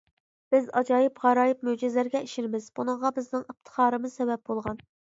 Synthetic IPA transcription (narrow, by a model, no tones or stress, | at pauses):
b̥ɪzɑd͡ʒɑːjɪpʁɑɾɑːjip̚mød͡ʒɪzlæɾɡʲɛiʃɪnɪmɪzbunɨŋʁɑbɪznɪŋɨp̚t̪ʰə̥χɑːɾɨmɨz̥sɛbɛp̚bolˠʁɑn